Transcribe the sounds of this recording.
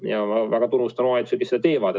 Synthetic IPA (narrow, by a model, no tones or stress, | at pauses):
jɑɑvæɡ̥ɑt̪unːust̪ɑnoɑjt̪sekised̪ɑt̪eːvɑd̪̥e